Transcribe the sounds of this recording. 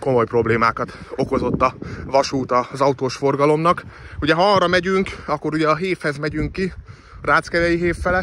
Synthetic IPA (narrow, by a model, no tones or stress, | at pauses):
ko̞mo̞jpro̞bleːmaːkɒt̪o̞ko̞zo̞t̪ːɒvɒʃuːt̪ɒzɒut̪oːʃfo̞rɡɒlo̞mnɒkuɟɛɦɒɒrːɒmɛɟyŋkɒkːo̞ɾuɟɛɒɦeːfhɛzmɛɟyŋkːi | raːt̪skɛɾɛjiɦeːfːɛlɛ